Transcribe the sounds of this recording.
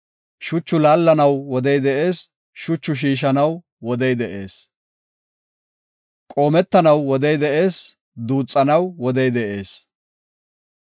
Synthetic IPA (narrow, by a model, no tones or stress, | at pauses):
ʃʊt͡ʃːʊlaːlːɐnɐwwɔd̪ɛjd̪ɛʔeːs | ʃʊt͡ʃːʊʃ̬iːʃ̬ɐnɐw | wɔd̪ɛjd̪ɛʔe̞ːs | kʼo̞ːmɛt̪ːɐnɐwwɔd̪ɛjd̪ɛʔe̞ːs | d̪uːt͡sʼːɐnɐwwɔd̪ɛjd̪ɛʔe̞ːs